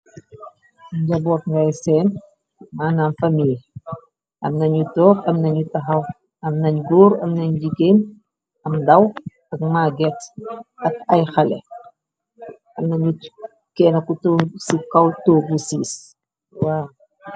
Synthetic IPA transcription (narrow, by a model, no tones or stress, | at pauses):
ɲɟɐbɔːtŋɡajsɛːn | maːnanfamil | ʔɐmnɐɲutɔːkɐmnɐɲutɐɦɐw | ɐmnɐɲɡuːɾɐ̰mnɐɲd͡ʒiɡen | ɐmdɐw | ɐkmaːɡɛtɐkɐjxɐlɛ̰ | ɐmnɐɲu | kɛːnɐkutosikɐwtoːɡusiːs | waː